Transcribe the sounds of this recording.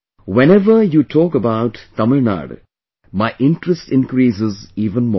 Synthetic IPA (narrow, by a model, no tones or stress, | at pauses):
wɛ̃nɛʋəjuːʈʰɔːkəbaʊʈt̪ʌməlna̰ːɖ | maɪʔɪ̃nʈɾəsʈɪ̃nkɾiːsɪziːʋə̃nmɔ̰ː